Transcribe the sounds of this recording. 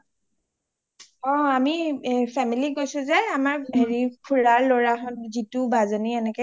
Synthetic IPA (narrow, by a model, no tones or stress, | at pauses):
ɔ̃amipʰɛmiliɡojsʊ̃zɛamaɹɦeɹipʰulaɹloɹaɦɔnzitubazoniɛnɛkɛ